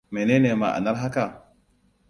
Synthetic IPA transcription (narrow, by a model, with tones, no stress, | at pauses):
me˨ne˦ne˨ma̰˨ʔa̰˨na˦ɾɦa˦ka˨